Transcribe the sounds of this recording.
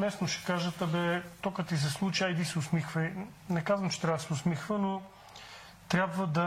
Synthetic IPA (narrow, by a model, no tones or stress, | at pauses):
mɛsnoʃɛ̥kaʒət̪əbɛt̪okət̪izɛslˠut͡ʃiajd̪isɛʊsmixvənɛkazvɐmt͡ʃɛ̥t̪ɾʲavəsɛʊsmixvəno | t̪ɾʲabvəd̪ɐ